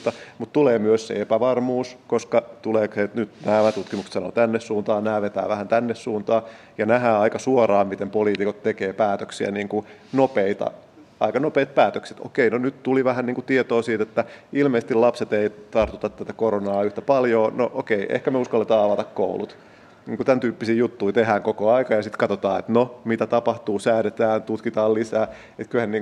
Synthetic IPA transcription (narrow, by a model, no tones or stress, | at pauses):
t̪ːɑmut̪t̪uleːmyøssḛepæʋɑrmuːskoskɑt̪uleːksenyt̪næːmæt̪ut̪kimukst̪sɑno̰t̪ænːessuːnt̪ɑːnæːʋet̪æ̰ːʋæhænt̪ænːessuːnt̪ɑː | jɑnæɦæːɑikɑsuorɑːmmit̪empoliːt̪ikot̪t̪ekeːpæːt̪øksiæ̰niːŋku | nopeit̪ɑ̰ | ɑ̰ikɑnopeːt̪̚pæːt̪økse̥t̪o̰keinonyt̪t̪uliʋæhænniːŋkut̪iet̪oːsiːt̪et̪ːæilmeise̥st̪ilɑpset̪eit̪ɑrt̪ut̪ɑt̪t̪æt̪ækoɾonɑːyht̪æpɑljoːnoʔokeiʔḛhkæmeuskɑlːet̪ɑːɑʋɑt̪ɑkko̰ulṵt̪ | niːŋkut̪ænt̪yːpːisiːjut̪ːuit̪eɦæːŋkokoɑikɑjɑsit̪kɑt̪ot̪ɑːḛt̪nomit̪æt̪ɑpɑht̪uːsæːɾet̪æːnt̪ut̪kit̪ɑːllisæː | et̪kyhænniːŋ